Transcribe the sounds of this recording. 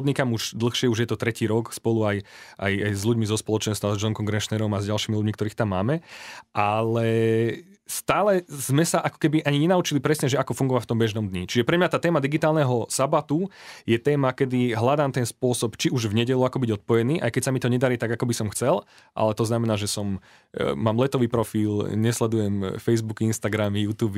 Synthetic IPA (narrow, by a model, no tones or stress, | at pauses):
d̪ɲikamuʒd̪l̩ˠxʃɪɛuʒjɛt̪ɔt̪ɾɛciːɾɔkspɔluajʔa̰jajzʎuɟmizɔspɔlɔt͡ʃɛnst̪azd͡ʒɔnŋkɔŋɡɾɛʃnɛɾɔmazɟalʃiːmiluɟmikt̪ɔɾiːxt̪amːa̰ːmɛʔalɛ | st̪aːlɛzmɛsaʔakɔ̥kɛbiʔaɲiɲɛnaut͡ʃilipɾɛsɲɛʒɛakɔfuŋɡɔʋaft̪ɔmbɛʒnɔmd̪ɲit͡ʃiʒɛpɾɛmɲat̪aːt̪ɛːmad̪iɡit̪aːlˠnɛɦɔsabat̪ujɛt̪ɛːmakɛd̪iɦlad̪aːmt̪ɛnspʊɔsɔpt͡ʃiuʒvɲɛɟɛʎuakɔbiɟɔt̪̚pɔjɛniːʔajkɛcsamit̪ɔɲɛd̪aɾiːt̪aɡakɔbisɔmxt͡sɛl | ʔa̰lɛt̪ɔznamɛnaːʒɛsɔm | maːmlɛt̪ɔʋiːpɾɔfiːlɲɛslɛd̪ujɛmfɛjzbukinst̪aɡɾamijuːt̪uːb